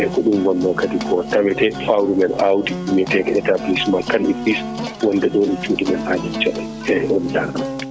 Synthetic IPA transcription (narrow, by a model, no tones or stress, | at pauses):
ʔɛkɔɗumɡɔlːɔkatikʰɔtaɓɛtɛfawɾumɛnawtiumɛtɛkɛtablismakaliplis | wɔndɛɗoːɗit͡ʃutimɛnaɗit͡ʃaɗɛ | ɛɛɔndaam